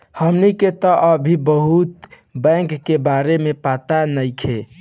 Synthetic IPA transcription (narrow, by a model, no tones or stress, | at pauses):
həmniket̪ɔʔəbʱibəɦut̪ | bə̃ŋkːebaɾemepat̪anəjkʰe